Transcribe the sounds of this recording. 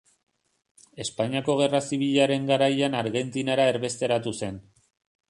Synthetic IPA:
e̞spaɲiako̞ɣ̞e̞rasiβ̞iʎaɾe̞ŋɡaɾajanaɾɣe̞nt̪inaɾae̞ɾβe̞st̪e̞ɾat̪use̞n

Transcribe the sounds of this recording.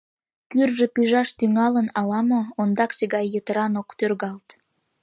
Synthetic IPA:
kyrʒepyʒɑʃt̪yŋɑlənɑlɑmoond̪ɑksiɣɑjːət̪əɾɑnokt̪ørɣɑlt̪

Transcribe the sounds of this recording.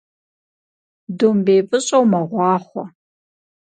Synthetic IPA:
dombeːpʼɨɕʼɐwmɐʁʷɑːχʷɔ

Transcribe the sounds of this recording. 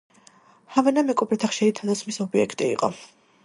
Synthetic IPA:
havɛnamɛkʼɔbɾɛt̪ʰaχʃɛɾit̪ʰad̪at̪sχmisɔbiɛ̰kʰt̪ʼḭːqʼɔ̰

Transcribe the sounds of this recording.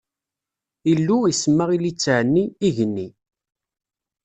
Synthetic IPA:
ilːuisəmːaʁilit͡sːʕənːiːʝənːi

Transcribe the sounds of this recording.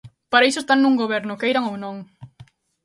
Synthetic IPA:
paɾɐis̬ʊest̪annuŋɡoβɛɾnʊkejɾɐŋownõŋ

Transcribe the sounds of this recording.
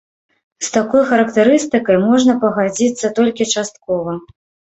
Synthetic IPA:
st̪akɔjxɐɾɐkt̪ɛɾɨst̪ɨkɐjmɔʐnɐpɐɣad͡zʲit̪sːɐt̪ɔlʲkʲit͡ʂast̪̚kɔvɐ

